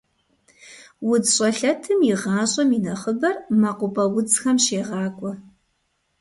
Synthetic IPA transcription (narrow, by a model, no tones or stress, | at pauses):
wʊd͡zɕʼɐɬɐtʰɨmjɪʁɑːɕʼɐminɐχəbɐrmaqʷʊpʼɐwʊt͡sxɐmʃeːʁɑːkʷʼɔ